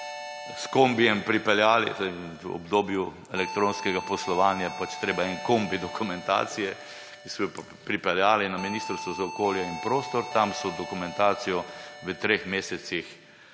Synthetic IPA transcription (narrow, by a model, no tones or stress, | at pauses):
skombijɛmpɾipɛljaːlḭt̪oɔ̰bd̪oːbju | ɛlɛk̚t̪ɾõːnskɛɡapɔslɔʋaːnjapat͡ʃt̪ɾeːbaɛnkombid̪ɔkumɛ̃nt̪a̰ːsijɛ | kisɔj | pɾipɛljaːlinaminiːst̪ɾst̪ʋɔzaɔkoːljɛinpɾoːst̪ɔɾt̪amsɔd̪ɔkumɛ̃nt̪aːt̪sijɔʋət̪ɾeːxmeːsɛt̪six